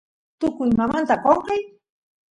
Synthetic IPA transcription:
t̪ʊkʊjmamant̪aqoɴqɑj

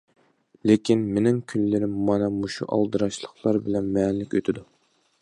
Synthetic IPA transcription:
lekʲʰinmenɪŋkʲʰynlɪɾɪmːɑnɑmuʃuʔɑ̰lˠd̪ɨɾɑʃlˠəχlˠɑɾbɪlɛnmɛnlɪkʲøt̪ʰɪd̪u

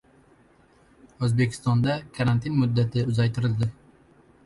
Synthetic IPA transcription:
ɵzbe̞kʲʰɪ̥st̪ɒnd̪akʰaɾant̪ʰinmʊd̪ːat̪ʰɪʊzajt̪ʰɪɾɪld̪ɪ

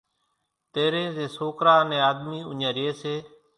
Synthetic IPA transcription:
t̪eːɾẽːzẽːsoːkɾaːnẽːaːd̪miːʊɲãːɾɪeːseː

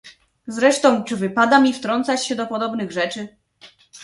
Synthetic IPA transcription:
zɾɛʂt̪ɔ̃w̃t͡ʂɘvɘpad̪amʲift̪ɾɔnt̪sat͡ɕɕɛd̪ɔpɔd̪ɔbnɘɣʐɛt͡ʂɘ

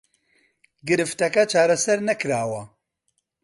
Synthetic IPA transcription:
ɡɨɾɨft̪ɐkɐt͡ʃʰaːɾɐsɐɾnɐkɨɾaːwɐ

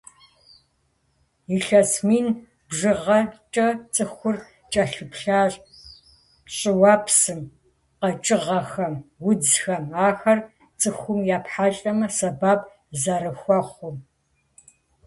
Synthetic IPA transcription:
iɬɐsmiːn | bʐɨʁɐt͡ʃʼɐt͡sʼɨxʷʊr | t͡ʃʼɐɬɨpɬaːɕ | ɕʼɪwaːpʰsɨm | qɐt͡ʃʼɨʁɐxɐmwʊd͡zxɐmaːxɐr | t͡sʼɨxʷʊmjaːpħaɬʼɐmɐsɐbaːb | zɐɾɨxʷɔχʷʊm

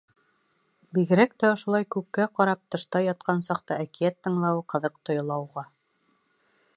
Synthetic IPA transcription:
biɡɘ̆ɾækt̪æŏʃŏlˠɑjkʉkːæqɒɾɑp̚t̪ɤ̆ʃt̪ɑjɑt̪̚qɑnsɑqt̪ɤækijæt̪ːɤ̆ɴlˠɑwqɤ̆ðɤq̚t̪ŏjŏlˠɑwʁɑ

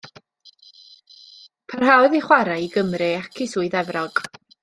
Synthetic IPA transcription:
pʰarɦawðiχwaɾaiɡəmrɨakʰisuɨðɛvrɔɡ̥

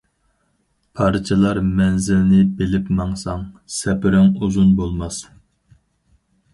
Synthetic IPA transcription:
pʰɑɾt͡ʃʰɑlˠɑɾmɛnzɪlnɪbɪlɪpmɑŋsɑŋsɛpɪɾɪŋuzunbolˠmɑs

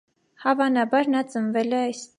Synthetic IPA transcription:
hɑvɑnɑbɑɾnɑt͡sənvɛlɛɑjs

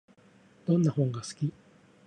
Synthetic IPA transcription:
d̪̥õ̞nːahõŋɡasɨ̥kʲi

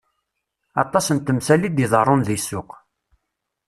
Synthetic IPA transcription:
ɑt̪ˤːɑsənt̪ːəmsælid̪iðˤərˤːonðisːʊq

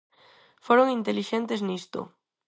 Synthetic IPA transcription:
foɾoŋint̪eliʃent̪eznist̪o̰

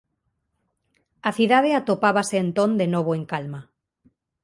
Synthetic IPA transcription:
aθuðað̞eat̪opaβ̞aseːnt̪ond̪enoβ̞oẽŋkalma

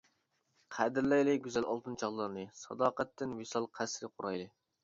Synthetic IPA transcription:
qʰæd̪ɪɾlɛjlɪɡʲyzælʔɑ̰lˠt̪ʰɨnt͡ʃʰɑʁlˠɑɾnɨsɑ̰d̪ɑːqɛt̪ːɪnwesɑlˠqʰæsɾɪqʰʊɾɑjlˠɨ

